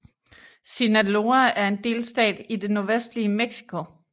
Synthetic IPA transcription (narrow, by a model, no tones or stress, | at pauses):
sinælo̝ææɐe̝nd̥e̝̰ːlsd̥ɛ̰ːd̥id̥e̝no̝ɐʋesd̥liəmeɡ̥si̥kʰo̝